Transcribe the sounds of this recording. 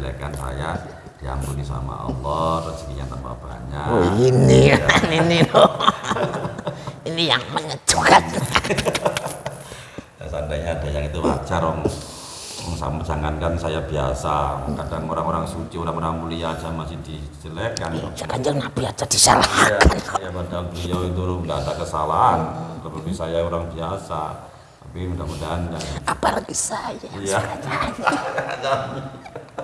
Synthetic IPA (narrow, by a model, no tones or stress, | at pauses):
əlḛkansa̰ja | d̥ia̰mbunisa̰ma̰ɑ̰lːɔt̪ʊsd͡ʒəŋiɲa̰nt̪ampa̰b̥a̰ɲainiaaninilo | inijaŋməŋə̥d͡ʒ̥ukan | asandaɲaːdajaŋit̪ua̰t͡ʃaɾɔŋ | ɔŋsa̰mad͡ʒaŋankansajabiasakadaŋoɾaŋoɾaŋsut͡ʃioɾaŋoɾaŋmuliad͡ʒamasɪhdit͡ʃəlekand͡ʒaɡanɲd͡ʒanabiat͡ʃad̥isa̰lahkanjamadaŋbəliawit̪̬undat̪akəsalaɦant̪əbəpisajaoɾaŋbiasa | apiudamudaɦankaapaɾaɡisajajaa | t͡ʃa